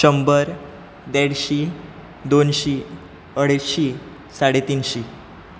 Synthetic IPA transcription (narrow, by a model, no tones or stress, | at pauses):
əmbəɾ | d̪ɛɽɕiː | d̪onɕiː | əɽ̤əɕiː | saɽet̪iːnɕiː